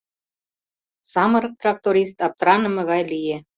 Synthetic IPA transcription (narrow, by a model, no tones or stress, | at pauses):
sɑmɤ̆ɾɤ̆k̚t̪rɑk̚t̪oɾʲist̪ɑp̚t̪ɾɑnɤ̆mɤ̆ɣɑjlije